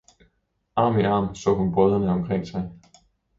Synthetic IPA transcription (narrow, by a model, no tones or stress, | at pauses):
ʔɑ̈ːmiʔɑ̈ːmsɔ̰ːhunb̥ʁœð̞ˠɐnəɒmkʰʁeŋ̰sɑ̈ɪ